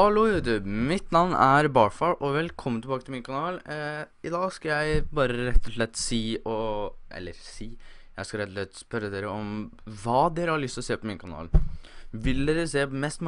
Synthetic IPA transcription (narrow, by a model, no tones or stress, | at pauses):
ɑloːhʉːd̪ʉmɪt̪nɑʋnæɾbɑɹfɑɹʔɔʋɛlkʰɔmːənt̪ɪlbɑːkət̪ɪmɪːnkʰɑnɑːl | ɪd̪ɑːskɑljæɪbɑːɾəɾɛt̪ːɔʂɭɛt̪ːsiːɔʔɛ̰lːəɾsiːjæɪskɑɾɛt̪ːɔʂɭɛt̪ːspœɾːəd̪eːɾəɔmʋɑːd̪eːɾəhɑɾɭʏst̪ɔseːpʰɔmɪːnkʰɑnɑ̰ːlʋɪld̪eːɾəseːmɛst̪m